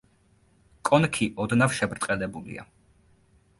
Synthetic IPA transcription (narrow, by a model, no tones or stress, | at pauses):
kʼɔnkʰiʔɔd̪nafʃɛbɾt̪ʼqʼɛlɛbulḭa̰